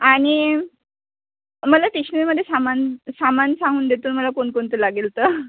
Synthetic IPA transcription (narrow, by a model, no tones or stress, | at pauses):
aɽ̃i | məlaʈekɕniməd̪ʱːjesamansamansãŋɡuːnd̪ʱet̪uːnməlakoɳkoɳt̪əlaɡelt̪əː